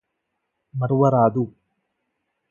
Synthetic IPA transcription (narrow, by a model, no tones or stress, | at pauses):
mɐɾʋɐɾaːd̪u